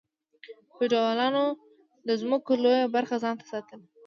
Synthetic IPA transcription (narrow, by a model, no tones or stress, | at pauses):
feɖawalɑno | d̪əzməkolojabaɾxazɑnt̪ḁsɑt̪əl